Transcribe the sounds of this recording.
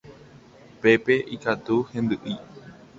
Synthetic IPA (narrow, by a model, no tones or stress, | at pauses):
pe̞pe̞ʔikat̪uhẽ̞nd̪ɨʔi